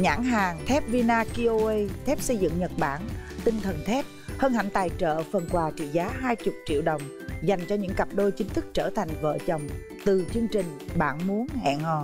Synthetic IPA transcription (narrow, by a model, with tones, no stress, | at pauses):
ɲa̰ː˧˥ŋɦaː˨˩ŋt̪ʰɛ˦˥p̚vi˧naː˧ki˧ʔo˧e˧jt̪ʰɛ˦˥p̚sə˧jzɨ̰˧˨ŋɲə˨˩t̚ɓa̰ː˧˩nt̪ï˧ŋt̪ʰə˨˩nt̪ʰɛ˦˥p̚həː˧nha˧˩jŋ̟t̪aː˨˩jt͡ɕə̰ː˧˨fə˨˩nkwaː˨˩t͡ɕḭ˧˨zaː˨˦ɦaː˧jt͡ɕʊ˨˩k͡p̚t͡ɕḭ˧˨əwɗə˨˩wŋ͡m | za˨˩jŋ̟t͡ɕɔ˧ɲɨ̰˧˥ŋka˨˩p̚ɗo˧jt͡ɕï˨˦ŋ̟t̪ʰɨ˦˥k̚t͡ɕəː˧˩t̪ʰa˨˩jŋ̟və̰ː˧˨t͡ɕə˨˩wŋ͡m | t̪ɨ˨˩t͡ɕɨ˧əŋt͡ɕï˨˩ŋ̟ɓaː˧˩nmu˨˦ənhɛ̰˧˨nhɔ̰˧˨